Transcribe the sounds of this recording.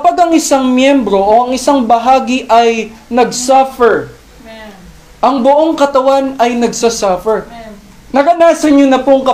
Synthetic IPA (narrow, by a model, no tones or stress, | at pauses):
kɐpaɡɐŋʔɪsaŋmjɛmbɾo̞ʔoɐŋɪsaŋbɐɦaːɡɪʔɐjnɐɡsafɛɹ | ʔɐŋbʊʔoŋkɐt̪ɐwanɐjnɐɡsɐsafɛɹ | nɐɾɐnaːsɐɲonɐpoŋkɐ